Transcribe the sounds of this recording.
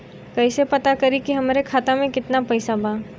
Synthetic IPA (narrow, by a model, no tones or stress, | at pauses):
kɐisepɐt̪akɐɾikiɦɐmaːɾekʰaːt̪amẽkɪt̪napɛːsabʱaː